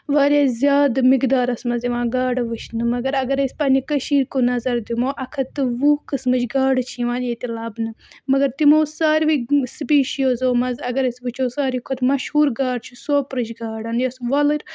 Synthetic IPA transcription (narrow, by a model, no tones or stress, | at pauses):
ʋaːɾʲjaːzʲjaːd̪mikd̪aːɾɐsmɐziʋãːɡaːɖɨʋɨʃnɨmɐɡɐɾɐɡɐɾesʲpɐnʲikɐʃiːɾkonɐzɐɾd̪imoːʔɐkʰɐt̪ːɨʋukɨsmɨt͡ʃɡaːɖɨt͡ʃʰiʋãːneːt̪ilaːbnɨmɐɡɐɾt̪imoːsaːɾʋispiːʃijoːzoːmɐzɐɡɐɾɐsʲbɨt͡ʃʰoːsaːɾikʰot̪mɐʃhuːɾɡaːɖt͡ʃʰusoːpɾɨt͡ʃɡaːɽɐnjɐsʋɐlɨɾʲ